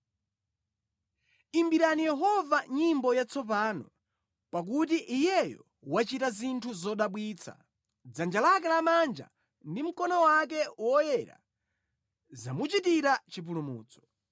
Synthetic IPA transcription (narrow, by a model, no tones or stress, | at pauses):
imbiɾanijɛɦɔvaɲimbɔjat͡sʰɔp̬aːnɔ | pak̬ut̬iʔijɛjɔ̰ | wat͡ʃitazintʰuzɔɗaɓwiːt͡sʰa̰ | d͡zand͡ʒalak̬ɛlamand͡ʒa̰ | ndim̩kɔnɔwak̬ɛwɔjɛɾa̰ | zamut͡ʃitiɾat͡ʃip̬ulumṵːt͡sɔ̥